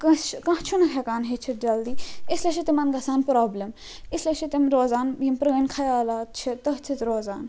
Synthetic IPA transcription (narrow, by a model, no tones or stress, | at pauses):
kɐt͡ʃkɐ̃t͡ʃʰunɐkʰɛkaːnɦet͡ʃʰit̪̚d͡ʒɐld̪iːɪslet͡ʃʰit̪imɐnɡɐsaːnpɾoːblʲəm | ɪslet͡ʃʰit̪imɾoːzaːnjimpɾɐɡənkʰɐjaːlaːt͡ʃʰit̪ɐɦt͡sʰit̪ɾoːzaːn